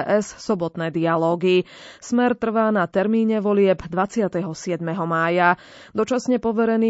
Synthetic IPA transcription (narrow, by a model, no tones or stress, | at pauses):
ʔɛssɔbɔt̪nɛːd̪ialɔːɡismɛɾt̪r̩ʋaːnat̪ɛɾmiːɲɛʋɔlɪɛbd̪ʋat͡sɪat̪ɛɦɔsɪɛd̪mɛɦɔmaːja | d̪ɔt͡ʃasɲɛpɔʋɛɾɛniː